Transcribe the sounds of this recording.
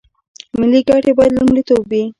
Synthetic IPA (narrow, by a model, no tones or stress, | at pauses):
mɪliɡaʈebɑjad̪lumɖit̪obwi